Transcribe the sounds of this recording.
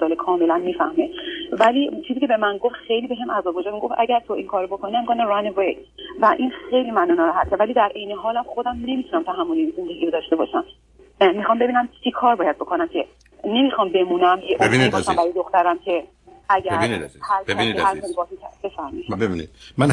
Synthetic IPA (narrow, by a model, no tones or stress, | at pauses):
zɒːlekʰɒːme̞lænmiːfæhme̞vælit͡ʃʰizikcʰebe̞mænɡo̞ft̪xe̞jliːbe̞ɦemʔæzɒːbud͡ʒɛmiɡo̞fʔæɟæɾt̪ʰo̞ʔiŋkʰɒːɾobo̞kʰoniæmikʰoniɾanevej | væʔinxejliːmænuːnɔɾæɦæt̪̚kʰæɾvæliːd̪æɾʔe̞jneɦɒːlæmχo̞d̪æmne̞mit̪unæmt̪ʰæɦæmːoliinze̞nd̪eɡiːɾod̪ɒːʃt̪e̞bɒ̰ʃæm | mixɒmbe̞biːnæmt͡ʃʰikʰɒːɾbɒːjæd̪̚bo̞kʰonæmcʰe | ne̞mixɒmbe̞munæmjeʔbobiniɔʃsæmbæɾɔjed̪o̞xt̪æɾæmcʰe̞ | æɡæɾinihæɾkbinihæɾɔlibɒsikʰæ̰be̞fæɾmiʃbebinḭd̪̥mæn